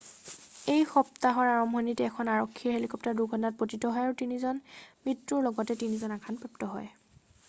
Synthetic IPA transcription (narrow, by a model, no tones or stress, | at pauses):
ejxɔp̚taɦɔɹaɹɔmbʱɔnitɛɛkʰɔnaɹɔkʰːiɦelikɔp̚taɹduɡʱɔnat̚potitɔɦɔjaɹutinizɔnmɹitɹuɹlɔɡɔtɛtinizɔnakʰanpɹɛp̚tɔɦɔj